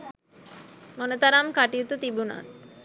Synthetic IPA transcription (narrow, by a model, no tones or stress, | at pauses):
monət̪aɾamkaʈijut̪ut̪ibuna̰t̪̚